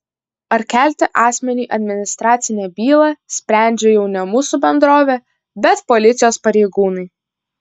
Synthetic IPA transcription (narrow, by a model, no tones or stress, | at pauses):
ɐɾkʲæˑlʲt̪ʲɪʔɑːsʲmʲɛnʲiːʔɐd̪ʲmʲɪnʲɪst̪ɾɑːt̪sʲɪnʲɛːbʲiːlˠɑsʲpʲɾʲæˑnʲd͡ʒʲɛjɛʊnʲɛmuːsubʲɛnd̪ɾoːʋʲeː | bʲɛt̪pɔlʲɪt̪sʲɪjoːspɐɾʲɛɪɡuːnɐɪ